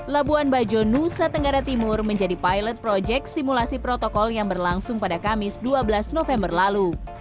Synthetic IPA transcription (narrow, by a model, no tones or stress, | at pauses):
labuanbad͡ʒonusat̪əŋɡaɾat̪imʊrməɲd͡ʒadipajlət̪̚pɾod͡ʒɛk̚t̪simulasipɾɔt̪ɔkɔljaŋbərlaŋsʊŋpadakamɪsduabəlasnofɛmbərlalu